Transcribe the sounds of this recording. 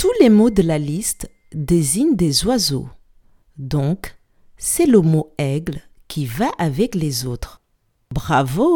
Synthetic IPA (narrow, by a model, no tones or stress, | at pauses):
t̪ulemod̪əlalist̪ | d̪eziɲd̪ezwazo̰ | d̪ɔ̃k | sɛləmoɛɡlkʲʰivaʔavɛklezot̪χ | bʁavo